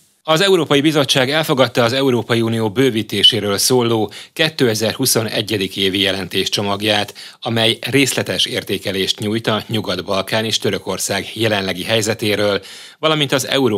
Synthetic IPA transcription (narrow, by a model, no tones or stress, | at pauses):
ɒzɛuɾoːpɒjibizo̞t͡ʃːaːɡɛlfo̞ɡɒt̪ːɒːzɛuɾoːpɒjiunijoːbøːvit̪eːʃeːɾøːlsoːlːoːkɛt̪ːøːɛzɛrhuso̞nɛ̰ɟːɛd̪ikeːvijɛlɛnt̪eːʃt͡ʃo̞mɒɡjaːt̪ɒmɛjreːslɛt̪ɛʃeːrt̪eːkɛleːʃt̪ɲuːjt̪ɒɲuɡɒd̪bɒlkaːneːʃt̪ø̞ɾøko̞rsaːɡjɛlɛnlɛɡiɦɛjzɛt̪eːɾøːl | vɒlɒmint̪ɒzɛ̰uɾ